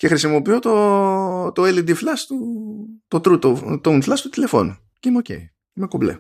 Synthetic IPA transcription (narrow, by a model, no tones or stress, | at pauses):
ce̞xɾisimo̞piot̪o | t̪oelid̪iflɐst̪ut̪ot̪ɾut̪ot̪ounflɐst̪ut̪ile̞fo̞̰nu | ceineoce̞̰i | imekoblḛ